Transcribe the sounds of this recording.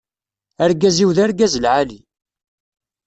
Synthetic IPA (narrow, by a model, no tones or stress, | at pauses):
æɾɡæziwðæɾɡæzəlʕali